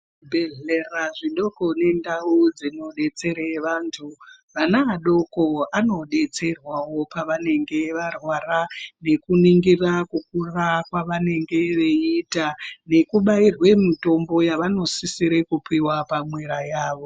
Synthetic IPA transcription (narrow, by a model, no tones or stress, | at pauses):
bʱeɮeraʐiɗo̞ko̞ne̞ndaud͡zino̞ɗe̞t͡se̞ɾeʋaːntʰu | ʋanaːɗo̞ko̞ano̞ɗe̞t͡se̞rwawo̞paʋane̞ŋɡe̞ʋarwarane̞kuniŋɡirakuk̚urakwaʋane̞ŋɡe̞ʋeitane̞kuɓairwe̞mito̞mbo̞jaʋano̞sisiɾekupiwapamwe̞ɾajaːʋo̞